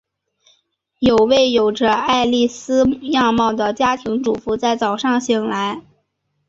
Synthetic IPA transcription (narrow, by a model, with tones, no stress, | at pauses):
jo˨˩ʊwe˥˩ɪjo˨˩ʊʈ͡ʂə˧a˥˧ɪli˥˩sɹ̩˥jɑ˥˧ŋmɑ˥˩ʊd̪ə˩t͡ɕja˥t̪ʰi˧˥ŋʈ͡ʂu˨˩fu˧˥t͡sa˥˩ɪt͡sɑ˨˩ʊʂɑ˥˧ŋɕi˨˩ŋla˧˥ɪ